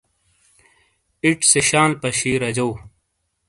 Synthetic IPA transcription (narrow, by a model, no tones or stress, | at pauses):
iʈseɕaːlpɐɕiːɾɐd͡ʑow